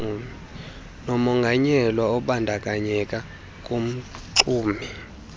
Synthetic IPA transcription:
nɔmɔŋɡʱaɲɛlwaɔɓandʱak̬ʼaɲɛkʼa | kʼum̩ǀuːmi

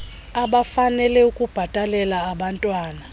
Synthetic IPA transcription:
aɓafanɛlɛukʼub̥ʱatʼalɛlaːɓantʼwaːna

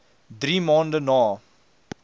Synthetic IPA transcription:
d̪ɾiːmɔ̃nɖənɔ

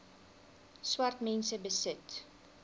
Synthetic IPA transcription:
swɐrtmɛnsəbəsət

